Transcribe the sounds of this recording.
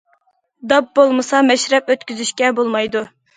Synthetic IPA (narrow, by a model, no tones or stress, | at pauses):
d̪ɑp̚bolˠmɨsɑmɛʃɾɛpøt̪kʲyzyʃkʲɛbolˠmɑjd̪u